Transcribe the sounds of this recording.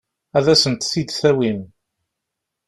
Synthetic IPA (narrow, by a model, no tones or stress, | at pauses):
æðæsənt̪θid̪θæwim